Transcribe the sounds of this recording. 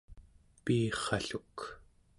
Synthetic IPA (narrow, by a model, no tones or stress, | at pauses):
piːχɑɬuk